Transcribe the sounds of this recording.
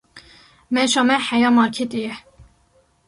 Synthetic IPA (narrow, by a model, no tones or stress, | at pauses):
mɛʃɑːmɛħɛjɑːmɑːɾkʰet̪ejɛ